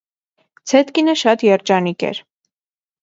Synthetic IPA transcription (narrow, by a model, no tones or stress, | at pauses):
t͡sʰɛt̪kinəʃɑt̪jɛɾt͡ʃɑnikɛ̰ɾ